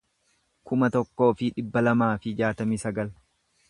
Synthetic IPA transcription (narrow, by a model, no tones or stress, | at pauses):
kʊmɐt̪ɔkːo̞ːfɪᶑɪbːɐlɐmaːfɪd͡ʒaːt̪ɐmiːsɐɡɐl